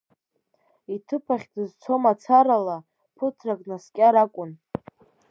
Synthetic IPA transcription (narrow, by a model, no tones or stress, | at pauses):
itʰɨpʰaχʲdɨzt͡sʰo̞mat͡sʰaɾala | pʰɨtʰrakʼnaskʲʼaɾakʷʼʊn